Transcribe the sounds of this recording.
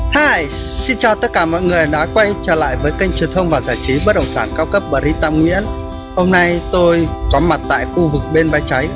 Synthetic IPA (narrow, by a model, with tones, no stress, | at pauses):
haː˧˩˨j | si˧nt͡ɕɔ˨˩t̪ə˦˥t̚kaː˧˩mɔ̰˧˨jŋɨ˨˩əjɗa̰ː˧˥kwa˧jt͡ɕəː˧˩la̰ː˧˨jvəː˨˦jka˧jŋ̟t͡ɕwi˨˩ənt̪ʰə˧wŋ͡mvaː˨˩wzaː˧˩t͡ɕi˨˦ɓə˦˥t̚ɗə̰˧˨wŋ͡msaː˧˩nkaː˧wkə˦˥p̚ɓəː˨˩ɾi˧t̪aː˧mŋwḭ˧˥ən | ho˧mna˧jt̪o˧jkɔ˨˦ma˨˩t̚t̪a̰ː˧˨jxu˧vɨ˨˩k̚ɓe˧nva˧jt͡ɕa˨˦j